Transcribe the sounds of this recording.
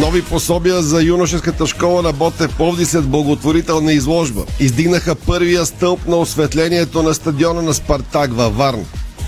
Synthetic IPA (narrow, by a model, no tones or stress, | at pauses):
nɔviposɔbiəzɐjunoʃɛskət̪əʃkɔlˠəɾɐbɔt̪ɛpɔvd̪ɛsɛd̪̚blˠɐɡot̪voɾit̪ɛlˠnɐizlˠɔʒbə̰izd̪iɡnəxəpɤɾvijəst̪ɤlˠpnɐosvɛt̪lɛniɛt̪onɐst̪ɐd̪iɔnənɐspɐɾt̪akvɐvaɾn